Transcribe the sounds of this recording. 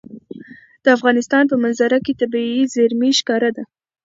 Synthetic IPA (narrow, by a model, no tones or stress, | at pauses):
d̪̥əafɣɑnɪst̪ɑnpəmanzaɾaket̪abiizaɾmiʃkɑɾad̪a